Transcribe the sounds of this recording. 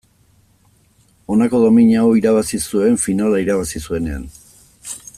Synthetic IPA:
o̞nako̞ðo̞miɲaoiɾaβasisue̞ɱfinalaiɾaβ̞asisue̞ne̞a̰n

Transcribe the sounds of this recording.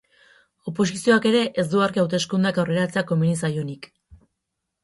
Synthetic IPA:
o̞po̞s̬isio̞ake̞ɾe̞ʔezd̪uaɾkiawt̪e̞skund̪akawre̞ɾat͡se̞ako̞minis̬ajo̞nik

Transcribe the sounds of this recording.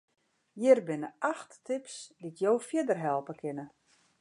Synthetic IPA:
jɪrbɪnəʔaxtːɪpsditjowfjədərɦɛlˠpəkʰɪnə

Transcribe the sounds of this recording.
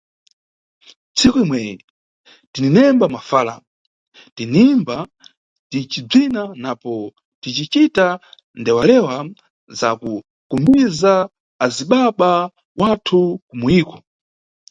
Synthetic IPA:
t͡sʰikuimwɛjɛ | tininɛmbamafaːla̰ | tinimba | tit͡ʃib͡ʐinanapɔ | tit͡ʃit͡ʃita | ndɛwalɛwa | za̰ku | kumbizaː | ziɓaɓa | watʰukumuiːkɔ̥

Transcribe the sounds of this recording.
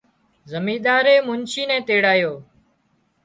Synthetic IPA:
zəmĩːɗ̪aːɾeːmʊnt͡ʃiːnɛ̃ːt̪eːɽaːjoː

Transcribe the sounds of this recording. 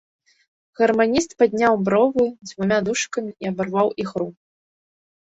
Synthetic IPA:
ɣɐrmanʲist̪pad̪ʲnʲawbɾɔvɨd͡zʲvumʲad̪uʂkɐmʲiiɐbarvawixɾu

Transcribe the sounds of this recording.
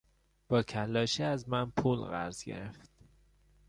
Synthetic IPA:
b̥ɒːcʰælːɒːʃeæzmænpʰuːlɣæ̰ɾz̥ɡḛɾeft̪

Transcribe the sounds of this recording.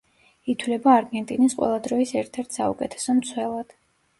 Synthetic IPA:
it̪ʰwlɛbaːɾɡɛnt̪ʼinisqʼwɛ̰lˠad̪ɾɔisɛɾt̪ʰɛɾt̪ʰsaukʼɛt̪ʰɛ̥sɔmt̪sʰwɛlˠad̪̥

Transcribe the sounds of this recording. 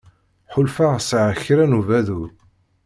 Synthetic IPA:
ħʊlfasʕəçɾænuvæðuɾ

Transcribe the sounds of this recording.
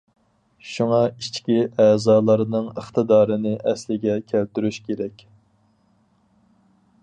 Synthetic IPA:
ʃuŋɑit͡ʃkʲiʔɛːzɑːlˠɑɾɨnɨŋəχt̪ɨd̪ɑːɾɨnɨʔɛslɪɡʲɛkʲʰælt̪yɾyʃkʲeɾɛkʲ

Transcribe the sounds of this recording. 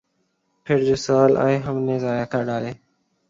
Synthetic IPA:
pʰɪɾd͡ʒoːsəːlʔa̰ːẽːɦəmnẽːzaːjaːkʰaːɖaːleː

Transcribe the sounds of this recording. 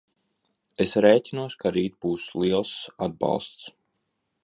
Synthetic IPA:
esɾɛːtʲinuɔskaɾiːt̪̚buːsliɛlˠsad̪̚bɑ̰lˠst̪s

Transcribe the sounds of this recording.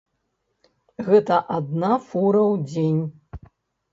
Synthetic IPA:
ɣɛt̪ɐʔad̪̚nafuɾɐwd͡zʲenʲ

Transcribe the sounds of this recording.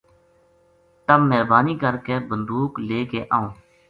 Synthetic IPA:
t̪əmːɛːɾbaːniːkəɾkeːbənd̪uːkleːkeːʔaːõː

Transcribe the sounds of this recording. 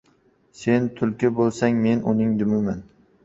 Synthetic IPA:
se̞nt̪ʰʊlkʲɪbolˠsaŋme̞nʊnɪŋd̪ʊmɪman

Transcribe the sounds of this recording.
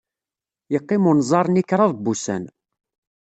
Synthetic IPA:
jəqːɪmunzˤɑɾˤnikːɾˤɑðˤbːusæ̰n

